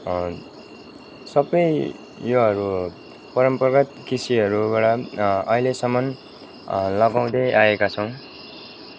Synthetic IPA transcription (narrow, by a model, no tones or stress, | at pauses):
sʌbʌj | joɦʌɾu | pʌɾʌmpʌrɡʌt̪kisiʌɾubaɽʌʌilesʌmʌn | lʌɡaw̃d̪ʌjaekat͡sʰʌw̃